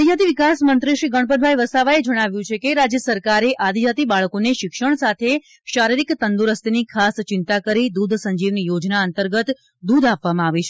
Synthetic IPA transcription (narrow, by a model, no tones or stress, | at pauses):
ad̪ijat̪iʋikasmənt̪ɾiʃɾiɡəɳ̃pənbʱajʋəsaʋaed͡ʒəɽ̃aʋjũt͡ʃʰekeɾad͡ʒjəsəɾkaɾeʔad̪ʱijat̪ibaɭkoneʃɪkʃəɳ̃sat̪ʰe | ʃaɾiɾikt̪ənd̪uɾəst̪enikʰast͡ʃɪnt̪akəɾid̪ud̪ʱsəɲd͡ʒiʋnijod͡ʒnaənt̪əɾɡət̪ | d̪ud̪apʋamãaʋit͡ʃʰe